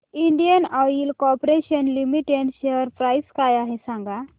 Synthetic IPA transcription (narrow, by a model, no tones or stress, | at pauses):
iɳɖijənaiːlkɔpɾeɕənlimiʈeɖɕejəɾpɾajskajaɦesãŋɡa